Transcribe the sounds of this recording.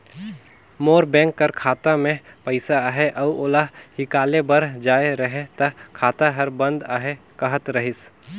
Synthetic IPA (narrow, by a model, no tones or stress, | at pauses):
moːɾbɛ̃ːŋkːɐɾkʰaːt̪amẽpəɪsaaːɦeʔɐːoːlahɪkaːlebɐɾd͡ʒaːeɾɐɦẽt̪ɐkʰaːt̪aɦɐɾbɐ̃nd̪a̰ːɦekɐɦət̪ɾɐɦɪs